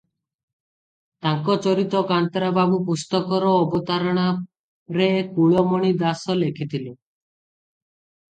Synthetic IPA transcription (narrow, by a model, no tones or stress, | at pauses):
t̪aŋkɔt͡ʃɔɾit̪ɔkant̪ɾababupust̪ɔkɔɾɔːbɔt̪aɾɔɽ̃a | ɾekuɭɔmɔɽ̃id̪asɔlekʰit̪ʰilo